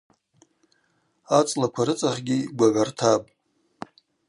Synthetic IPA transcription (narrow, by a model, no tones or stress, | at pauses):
at͡sʼlakʷʰaɾɨt͡sʼaχɡʲiɡʷaʕʷartʰapʼ